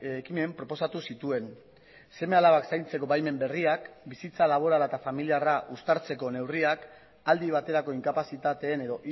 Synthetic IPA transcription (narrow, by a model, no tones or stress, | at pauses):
kime̞mpɾo̞po̞sat̪usit̪ue̞n | se̞me̞alaβaksajnt͡se̞ko̞βajme̞mbe̞riakbisit͡salaβ̞o̞ɾalaet̪afamiliaraʔust̪aɾt͡se̞ko̞ne̞wriak | ald̪iβ̞at̪e̞ɾako̞iŋkapasit̪at̪e̞ːne̞ðo̞ʔ